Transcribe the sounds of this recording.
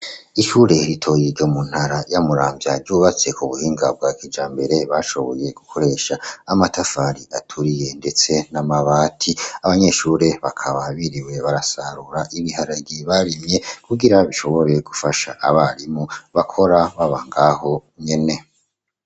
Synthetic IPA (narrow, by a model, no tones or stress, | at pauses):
iʃuːɾe̞ɾitʰo̞jiɾɟo̞mun̥haɾajamuɾaːmbjaɾɟuːβat͡se̞kuβuhiːŋɡab̚ɡaːkid͡ʒaːmbe̞ɾe̞βaːʃo̞βo̞je̞ɡukʰo̞ɾe̞ʃaːmatʰafaɾiatʰuɾije̞nde̞t͡se̞namaβaːtʰiaβaɲe̞ʃuːɾe̞βakʰaβaβiɾiwe̞βaɾasaɾuɾaʔiβihaɾaɟiβaɾimɲe̞kʰuɡiɾaβiʃo̞βo̞ɾe̞ɡufaʃa̰ʔaβaɾimuβakʰo̞ɾaβaβaŋɡaho̞ɲe̞ne̞